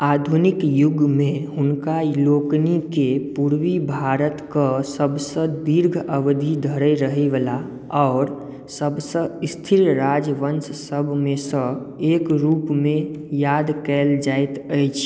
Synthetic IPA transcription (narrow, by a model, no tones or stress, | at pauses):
ad̪ʱunikjuɡmeɦʊnkaloknikepuɾwibʱaɾət̪kəsəbsə̃d̪iɾɡʱəʋd̪ʱid̪ʱəɾəɾəɦeʋəla | ɔʊɾ | səbsə̃ist̪ʰiɾɾad͡ʒʋənssəbʱmesə̃ | ekɾupmejad̪kɛld͡ʒajt̪əjt͡ʃʰ